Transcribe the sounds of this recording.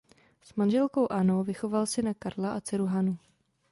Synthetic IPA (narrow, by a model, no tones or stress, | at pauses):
smanʒɛlko̞wʔanowvɪxo̞valsɪnakaɾlaʔat͡sɪɾuɦanu